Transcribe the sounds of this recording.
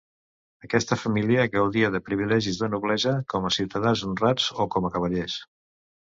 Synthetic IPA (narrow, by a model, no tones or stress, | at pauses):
əkɛst̪əfəmiliəɣəwðiəðəpɾiβ̞ilɛʒizðənuβlɛʒəkɔməsiwt̪əðanzunrazokɔməkəβəʎes